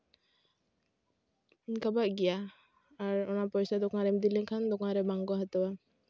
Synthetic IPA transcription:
kabaʔɡɛjaː | ɾɔnapɔjsad̪ɔkãɾɛmd̪ilikʰand̪ɔkaɾɛbaŋɡɔɦat̪ɔwa

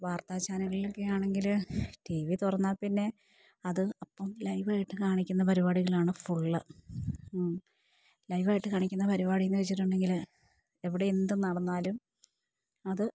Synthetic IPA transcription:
ʋaːrt̪aːt͡ɕaːnɐŋɣɐɭilo̞kːe̞jaːɳe̞ŋɡilʈiʋit̪urɐnːaːlpinːe̞ | ɐðɨɐpːɐmlɐjʋaːjiʈːɨkaːɳikʲːunːɐpɐɾibaːɽiɣɐɭaːɳɨfuɭːɨ | lɐjʋaːjiʈːɨkaːɳikʲːunːɐpɐɾibaːɽijnːɨʋet͡ɕːiʈːuɳɖe̞ŋɡil | e̞ʋiɽe̞end̪umnɐɽɐnːaːlum | ɐðɨ

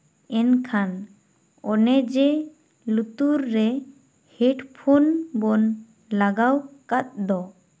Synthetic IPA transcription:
ɛnkʰan | ɔnɛd͡ʒɛ | lut̪uɾːɛ | hɛɖpʰonbɔn | laɡawkat̪̚d̪ɔ

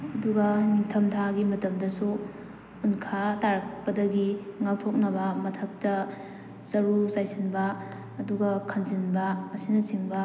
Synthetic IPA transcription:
ɐduɡɐniŋtʰɐmtʰaɡimɐtɐmdɐsu | unkʰataɾɐk̚pɐdɐɡiŋak̚tʰok̚nɐbɐmɐtʰɐk̚tɐ | sɐɾusajsinbɐː | duɡɐkʰɐnzinbɐɐsinɐt͡ʃiŋbɐ

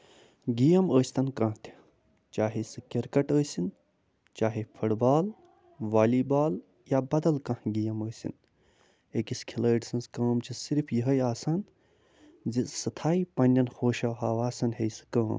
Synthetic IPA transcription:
ɡijɐməːsʲt̪ʰɐnkãːt̪ʰi̥ | t͡ʃaːɦisɨkʲɐɾkɐʈəːsin | t͡ʃaːɦipʰɐɽbaːl | ʋaːliːbaːl | jaːbɐd̪ɐlkãhɡijɐməːsḭn | ekiskʰiləːʈsɐnskɐːmt͡ʃʰisiɾpʰjiɦɐjaːsaːn | zisɐt̪ʰaːipɐnʲːɐnxoːʃɐwɦaːʋaːsɐnɦejsɨ̥kɐ̃ːm

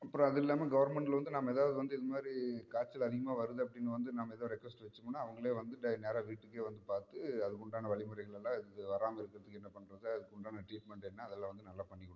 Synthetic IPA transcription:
ɐpːɯɾõːɐðɯɪlːaːmeːɡɐʋɐɾmɛɳʈɪlʋɐnd̪ɯnaːmɐeːðaːʋɐðɯʋɐnd̪ɯɪðɯmaːd̪ɾikaːɾt͡ʃːɪlɐðɪɣɐmaːʋɐɾɯðɯɐpːɐɽɪnːɐʋɐnd̪ɯnaːmɐɛːðɐɾɛkːʋɛsʈʋɛt͡ʃːɯmonːaːɐʋɐŋɡɐɭeːʋɐnd̪ɯɖɐneːɾaːʋiːʈːɯkːeːʋɐnd̪ɯpaːɾt̪ɯɐðɯkːɔɳɖaːnɐʋɐɭɪmɐɾɐɪɣɐɭɛlːãːɪðɪðɯʋɐɾaːmɐɪɾɯkːɪɾɐðɯkːɛnːɐpɐɳːɾɐðɯɐðɯkːɔɳɖaːnɐʈɾiːʈ̚mɛɳʈɛnːaɐðɛlːãːʋɐnd̪ɯnɐlːaːpɐɳːɪkːɔɽɯ̃

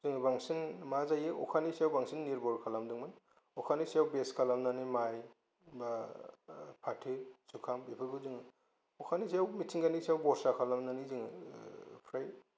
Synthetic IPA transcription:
zɯŋɯbaŋsinmazajɯɔ̰kʰanisijawbaŋsinːiɾbɔɾkʰalamdɯŋmɯn | ɔkʰanisijawbeskʰalamnanimaj | ba | pʰatʰɯsukʰamipʰɯbɯzɯŋɯ | ɔkʰanisijawmitʰiŋɡanisiawbɔɾsakʰalamnanizɯŋɯ | pʰɾaj

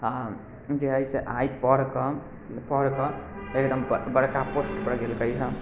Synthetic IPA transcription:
a | d͡ʒeɦəjseʔajpəɽkɔ | pəɽkɔekd̪əmbəɽkaposʈpəɽɡelkəjɦə

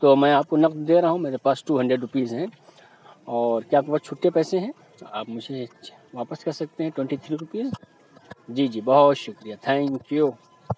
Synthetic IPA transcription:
t̪oːmɛ̃aːp̚konɐqd̪d̪eːɾɐɦũmeːɾepaːsʈuːɦɐ̃ɳɖɾeɖɾʊpiːzɦɛ̃ | ɔːɾkjaːkeʋɐt͡ʃʰuːʈepɛːsẽɦɛ̃ | a̰ːpmʊd͡ʒʱe | ʋaːpəskɐɾsɐk̚t̪eɦɛ̃ʈwɛ̃ɳʈit̪ʰɾiɾʊpiːz | d͡ʒiːd͡ʒiːbɐɦʊt̪ʃʊkɾijat̪ʰɛ̃ːŋkju

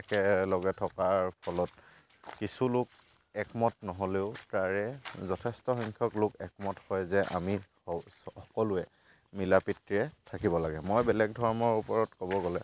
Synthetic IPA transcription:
ɛkɛlɔɡɛtʰɔkaɹpʰɔlɔt | kisulʊk̚ | ɛkmɔtnɔɦoleʊtaɹɛzɔtʰɛstɔxɔŋkʰjɔklʊkɛk̚mɔthɔjzɛʔa̰mi | ɔkɔlʊɛ | milapitɹiɹɛtʰakibɔlaɡɛmojbɛlɛɡ̚dʱɔɹɔmɔɹupɔɹɔtkɔβɔɡɔlɛ

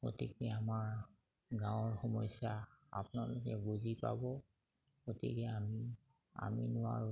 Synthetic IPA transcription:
kotikɛamaɹ | ɡãw̃ɔɹxɔmɔjsjaa̰pʊnalʊkɛbuzipa̰bɔ | kotḭkɛami | a̰minʊwa̰ɹʊ

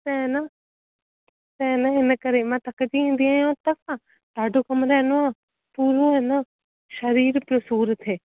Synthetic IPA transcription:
t̪ɛna | t̪ɛ̃naɦɪnəkəɾemãːt̪ɐkd͡ʒiĩːnd̪iãːjõːt̪ɐkã | t̪aːɖoːkəmɾɛːnoãː | puːɾoɦɛnãː | ʃəɾiːɾpjoːsuːɾət̪ɦeː

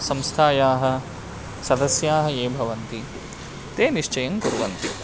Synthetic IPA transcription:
sɐmst̪ʰaːjaːɦɐ̆ | sɐd̪ɐsjaːɦɐ̆eːbʱɐʋɐnt̪i | t̪eːniʂt͡ʃɐjɐŋkuɾuʋɐ̰nt̪i

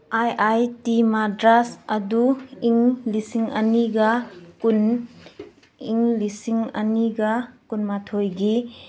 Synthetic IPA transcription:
ajʔajtimadɾasɐduiŋlisiŋɐniɡakun | iŋlisiŋɐ̰niɡɐkunmatʰojɡi

